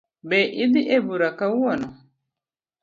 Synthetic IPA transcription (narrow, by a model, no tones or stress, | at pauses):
bɛʔid̪iʔebuɾakauwɔnɔ